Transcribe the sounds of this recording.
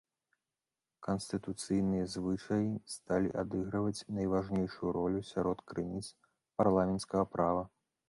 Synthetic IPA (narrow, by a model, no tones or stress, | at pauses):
kɐnsʲt̪ɨt̪ut̪sɨjnɨjɐzvɨt͡ʂɐjist̪alʲḭʔad̪ɨɣɾɐvɐt͡sʲnɐjvaʐnʲejʂujuɾɔlʲusʲaɾɔt̪kɾɨnʲit̪s | parlˠamʲɛnt̪skɐɣɐpɾavɐ